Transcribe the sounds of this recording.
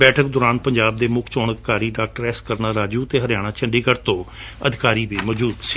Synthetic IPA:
bɛːʈʰək̚d̪ʊːɾaːnpəɲd͡ʒaːb̚d̪eːmʊkʰt͡ʃɔːnəd̪ɪkaːɾiːɖaːk̚ʈəɾɛːskəɾnaːɾaːd͡ʒuːt̪eːɦəɾjaːɽ̃ãːt͡ʃʰəɳɖiːkəɾt̪õː | əd̪ʱɪkaːɾiːbiːmɔːd͡ʒuːd̪siː

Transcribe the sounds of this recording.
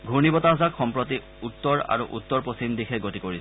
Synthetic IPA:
ɡʱuɹnibɔtazakxɔmpɹot̬i | ut̪ːɔɹa̰ɹṵʔut̪ːɔɹpɹosimdixʰɛɡotikoɹis

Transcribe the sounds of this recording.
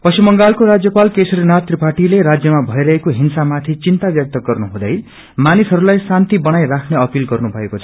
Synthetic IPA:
pʌsʰumʌŋɡalkoɾad͡zjʌpalkesʌɾinat̪riparʈileɾad͡zjʌmabʱʌjɾʌɦekoɦinsamat̪ʰit͡sint̪abjʌk̚t̪ʌɡʌrnuɦũd̪ʌj | manisɦʌɾulajsant̪ibʌnajɾakʰneʌpilɡʌrnubʱʌekot͡sʰʌ̥

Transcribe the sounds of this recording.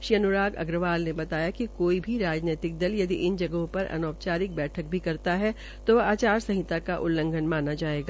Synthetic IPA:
ʃiːɐnʊɾaːɡɐ̰ɡɾəʋaːlnebɐt̪aːjakikoːibʱiɾaːd͡ʒneːt̪ɪk̚d̪ɐljɐd̪iʔɪnd͡ʒɐɡɦõpɐɾɐ̰nɔːpt͡ʃaːɾɪk̚bɛːʈʰək̚bʱikɐɾt̪aɦɛ | t̪oaːt͡ʃaːɾsɐ̃ɦɪt̪akaʔʊlːə̃ŋɡʱənmaːnad͡ʒaːeːɡaː

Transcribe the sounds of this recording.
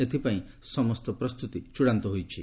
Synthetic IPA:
et̪ʰipaĩsɔmɔst̪ɔpɾɔst̪ut̪it͡ʃuɽant̪ɔɦojt͡ʃʰi

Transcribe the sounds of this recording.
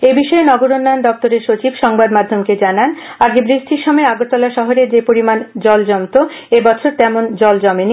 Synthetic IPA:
ebiʃɔenɔɡoɾonːaond̪ɔk̚t̪oɾeɾʃot͡ɕibʃɔŋbad̪mad̪ʱːomked͡ʑananaɡebɾiʃt̪ʰiɾʃɔmeaɡot̪ɔlaʃɔɦoɾed͡ʑepoɾimand͡ʑɔld͡ʑɔmt̪o | ebɔt͡ɕʰoɾt̪ɛmond͡ʑɔld͡ʑɔmeni

